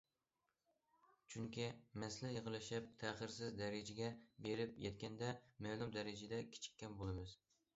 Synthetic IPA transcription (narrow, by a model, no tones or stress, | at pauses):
t͡ʃʰyŋkʲimɛslɛjeʁəlˠɪʃɪp̚t̪ʰæχɨɾsɪzd̪æɾɪd͡ʒɪɡʲɛbeɾɪpjɛt̪̚kʲɛnd̪ɛmælˠumd̪æɾɪd͡ʒɪd̪ɛkʲʰɪ̥t͡ʃʰɪ̥kʲːɛnbolˠɨmɨz